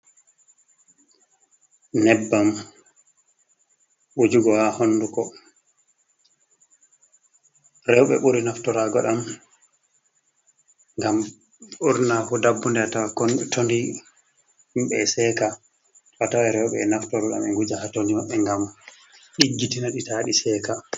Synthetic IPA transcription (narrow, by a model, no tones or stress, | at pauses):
nɛbːam | wod͡ʒuɡɔhahonːdukɔ | ɾɛwɓɛ̰ɓuɾinaftɔɾaɡɔɗam | ŋɡam | uɾnahudabːundɛatawatondi | mɓɛsɛːka | tɔatawɛɾɛwɓɛːnaftɔɾɔɗa̰mɛŋɡud͡ʒahatonimaɓːɛŋɡam | ɗiɡːitinaɗitaɗisɛːka